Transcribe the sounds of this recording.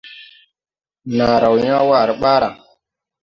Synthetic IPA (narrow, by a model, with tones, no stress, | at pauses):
na˨ɾa˨wɲa˦wa˨ɾɓaː˦ɾa˨